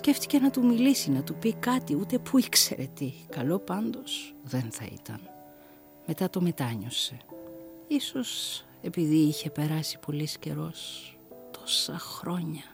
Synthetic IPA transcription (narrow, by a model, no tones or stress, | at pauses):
sce̞ft̪i̥ce̞nɐt̪umilisinɐt̪upikɐt̪iut̪e̞pʰuikse̞̰ɾʔe̞t̪ikɐlo̞pɐnd̪o̞sðe̞nθɐ̰ḭt̪ɐ̰n | me̞t̪ɐt̪o̞me̞t̪ɐɲo̞se̞ | iso̞s | e̞piðiiçe̞pe̞ɾɐsi̥po̞lisce̞ɾo̞s | t̪o̞̥sɐxɾo̞ɲɐ